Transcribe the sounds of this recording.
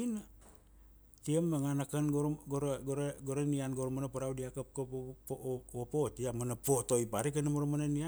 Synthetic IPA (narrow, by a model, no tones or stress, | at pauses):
in | tiəmaŋanakanɡoɾɡoɾɡoɾɡoɾanianɡoɾomanapaɾawdiakap̚kooopotiamanapotoipaɾik̬anamoɾomanania